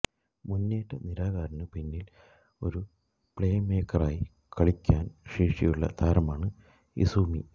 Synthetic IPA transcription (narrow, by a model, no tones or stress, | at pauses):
munːeːtːɐniɾaːɣaːɾɐnɨpinːil | o̞̰ɾu | pɭejɐmeːkːɐraːji | kɐɭikʲːaːnʂeːʂijuɭːɐ̰t̪ʰaːɾɐmaːɳɨ | ḭsuːmḭ